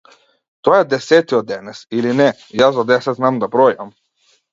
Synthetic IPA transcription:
t̪ɔaɛd̪ɛsɛt̪iɔd̪ːɛnɛsilinɛ | jaszad̪ɛsɛt̪znamd̪abɾɔjam

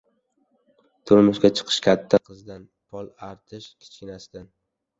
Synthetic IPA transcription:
t̪ʰʊɾmʊʃɡʲat͡ʃʰɨ̥qʰɨ̥ʃkʲʰat̪ʰːaqʰɨzd̪an | pʰɒlˠaɾt̪ʰɪʃkʲʰɪ̥t͡ʃʰɪnasd̪an

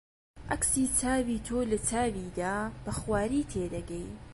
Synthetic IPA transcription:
ʔɐksiːt͡sʰaːwiːt̪ʰoːlɐt͡saːwid̪aːb̥ɐxwaːɾiːt̪ʰeːd̪ɐɡɛj

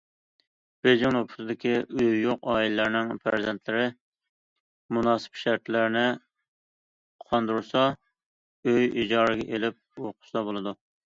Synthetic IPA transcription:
b̥ed͡ʒɪŋopʰʊ̥t̪ɨd̪ɪkʲiøjːoqɑːilɪlɪɾnɪŋpʰæ̰ɾzɛnt̪ʰlɪɾɪ | munɑːsɨ̥pʃæɾt̪ʰlɪɾnɪ | qʰɑnd̪uɾuɾsɑ | øjid͡ʒɑːɾɨɡʲɛʔelɪp̚oqʰʊ̥sɑbolˠɨd̪u

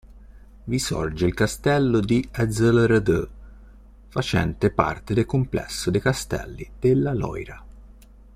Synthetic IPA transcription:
visɔ̰rd͡ʒɪilkast̪ɛlːʊd̪iɛd̪zələɾəd̪ə̰ | fat͡ʃɛ̰nt̪epa̰rt̪ed̪ekʊmplɛ̰sːʊd̪ejkast̪ɛ̰lːid̪̥elːalɔ̰jɾa

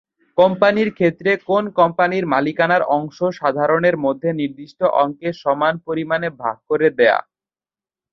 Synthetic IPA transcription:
kɔmpaniɾkʰet̪ːɾekonkɔmpaniɾmalikanaɾɔŋʃoʃad̪ʱaɾoneɾmod̪ʱːeniɾd̪iʃʈoʔɔŋkeʃɔmanpoɾimanebʱa̰ɡ̚koɾed̪ɛa̰

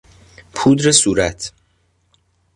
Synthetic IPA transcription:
pʰuːd̪ɾesuːɾæt̪ʰ

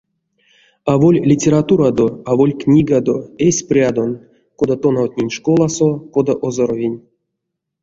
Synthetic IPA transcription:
avo̞lʲlʲitʲeɾat̪uɾad̪oavolʲknʲiɡad̪o̞esʲprʲad̪o̞n | kod̪at̪onawt̪ʲnʲenʲʂkolˠasokod̪aʔozoɾovʲinʲ

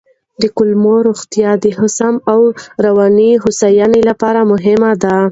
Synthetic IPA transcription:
d̪əkʊlmoɾoxt̪jɑd̪əhʊsamawɾawɑniɦʊsajɑnelapɑɾamʊɦɪmad̪a

